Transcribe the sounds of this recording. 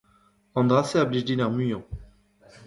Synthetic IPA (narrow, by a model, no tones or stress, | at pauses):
ɑ̃nd̪ʁaseabliʒd̪inaʁmyjɑ̃